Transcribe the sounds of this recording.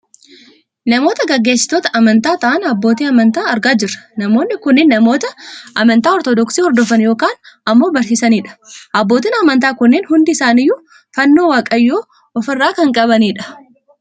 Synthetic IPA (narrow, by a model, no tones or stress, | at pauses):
nɐmo̞ːt̪ɐɡɐɡːe̞ːsːɪ̥t̪oːt̪ɐʔɐmɐnt̪aːt̪ɐʔɐnɐbːo̞ːt̪iːɐmɐnt̪aːɐɾɡaːd͡ʒɪrːɐ̥nɐmo̞ːnːɪkʊnːɪnːɐmo̞ːt̪ɐʔɐmɐnt̪aːɔɾt̪ɔd̪ɔksiːhɔɾd̪ɔfɐnjo̞ːkaːnɐmːo̞ːbɐɾsɪsɐniːᶑɐ̥ʔɐbːo̞ːt̪iːnɐmɐnt̪aːkʊnːɪːnhʊnd̪ɪɪsaːnɪjːʊ | fɐnːo̞ːwaːkʼɐjːoː | ɔfɐrːaːkɐŋkʼɐβɐniːᶑɐ̥